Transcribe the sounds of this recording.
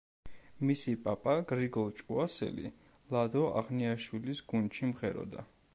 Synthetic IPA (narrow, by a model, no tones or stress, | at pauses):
misipʼapʼaɡɾiɡɔlˠt͡ʃʼuasɛ̰lḭ | lˠad̪ɔa̰ʁniaʃwilisɡ̥unʃimʁɛɾɔ̰d̪a